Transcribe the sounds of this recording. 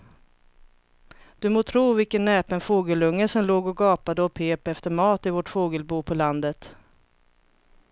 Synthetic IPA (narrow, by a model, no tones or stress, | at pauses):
d̪̥ɵmoːt̪ʰɾuːvɪlkənːɛːpənfoːɡəlɵŋːəsɔmloːɡɔɡɑːpad̪əɔpʰeːpɛft̪əɾmɑːt̪ɪvɔʈfoːɡəlbuːpʰɔland̪ət̪